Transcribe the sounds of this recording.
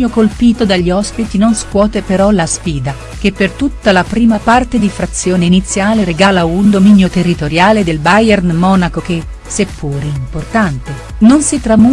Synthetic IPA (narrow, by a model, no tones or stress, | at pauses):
okolpiːt̪od̪aʎːiɔspit̪inonskwɔːt̪epeɾɔlasfiːd̪a | k̟epːert̪ut̪ːalapɾiːmapart̪ed̪ifɾat̪sːjoːneinit̪sːjaːleɾeɡaːlaund̪ominjot̪erːit̪oɾjaːled̪elbajernmɔːnakok̟e | sepːuːɾeimport̪ant̪e | nonsit̪ɾamu